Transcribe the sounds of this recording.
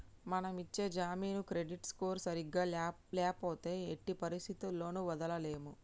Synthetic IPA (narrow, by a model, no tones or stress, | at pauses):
mɐnɐmit͡ʃːe̞ːd͡ʒaːmiːnukɾe̞ɖiʈskoːɾsɐɾiɡːaː | lɛːpoːt̪e̞ːʈːipɐɾist̪ʰit̪ulːo̞ːnuʋɐd̪ɐlɐle̞ːmu